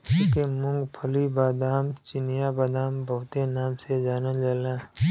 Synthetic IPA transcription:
ukemʊ̃ŋɡpʰəlibaːd̪aːmt͡ʃɪnijabaːd̪aːmbəɦʊt̪enaːmsed͡ʒaːned͡ʒaːlẽː

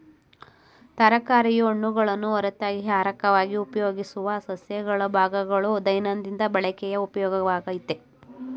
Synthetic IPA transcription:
t̪ɐɾɐkaːɾijɐoɳːuɡɐɭɐnːuɔɾɐt̪ːaːɡiɦaːɾɐkɐʋaːɡiupɐjoːɡisuʋɐːsɐsjɐɡɐɭɐbʱaːɡɐɡɐɭud̪ɐjnɐnd̪ind̪ɐbɐɭɐkɛjɐupɐjɔːɡɐʋaːɡɐjit̪ːe

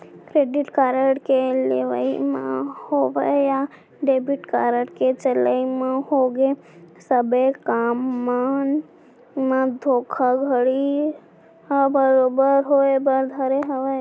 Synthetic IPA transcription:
kɾeːɖɪʈkaːɾəʈkeleʋə̰imã̰hoʋəja | ɖeːbɪʈkaːɾəʈket͡ʃələimãɦoɡe | səbekaːmːan | mãd̪ʱoːkʰaɡʱəɽi | əbəɾoːbəɾɦoebəɾd̪ʱəɾeɦəʋe

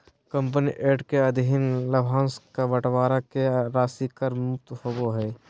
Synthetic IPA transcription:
kə̃mp̬niʔeːʈkeəd̪ʱiɪnləbʱãːskaʋəʈʋaːɾakeɾaːsikəɾmʊk̚t̪hoboɦɛː

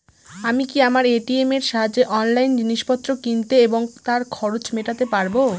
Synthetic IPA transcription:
amikiamaɾeʈiemeɾʃaɦad͡ʑeʔɔnlajnd͡ʑiniʃpɔt̪ːɾokint̪eeboŋt̪aɾkʰɔɾot͡ɕmeʈat̪epaɾbo

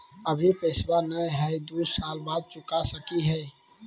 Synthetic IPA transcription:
əbʱipeːswanəjɦɛd̪uːsaːlbaːd̪̚t͡ʃʊkasəkiɦɛː

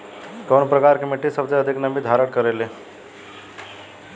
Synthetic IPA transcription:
konpɾəkaɾkemeʈisəbd͡zeəd̪ʱiknəbid̪ʱaɾəɽkəɾele

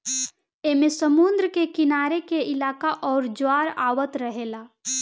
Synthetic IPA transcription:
eːmẽsəmʊ̃nd̪ɾəkekɪnaːɾekeʔɪlaːkaʔɔːɾd͡ʒaːɾaːwət̪ɾəɦeːlaː

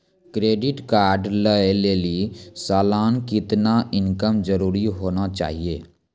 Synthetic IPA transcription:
kɾeːɖɪʈkaːɾɖləeleːlisaːlaːnkɪt̪naʔɪnkəmzəɾuːɾiɦoːnat͡ʃa̰ːɦieː

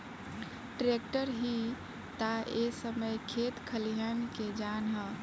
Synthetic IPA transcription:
ʈɾek̚ʈəɾɦi | t̪aesəməjkʰet̪kʰəlijanked͡ʒanɦə

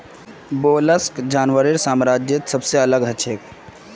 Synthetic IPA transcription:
boːləskd͡ʒaːnʋəɾiɾsaːmɾad͡ʒjet̪səbseɐləɡɦət͡ʃʰek

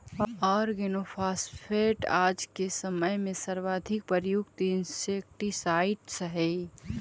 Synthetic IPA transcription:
ɔːɾɡenoːfʰaːspʰeːʈaːd͡ʒkesəməjmẽsɐɾʋaːd̪ʱɪk̚pəɾjʊɡt̪iɪnseːk̚ʈisaːɪʈsəɦɛ

